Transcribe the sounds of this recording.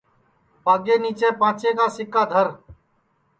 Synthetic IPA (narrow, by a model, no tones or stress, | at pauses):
paːɡeːniːt͡ʃeːpãːt͡ʃeːkaːsɪkaːd̪ʱəɾ